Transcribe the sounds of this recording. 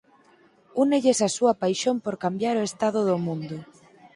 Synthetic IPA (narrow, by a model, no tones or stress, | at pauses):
uneʎesasuɐpajʃompoɾkambjaɾoest̪aðʊðomũnd̪ʊ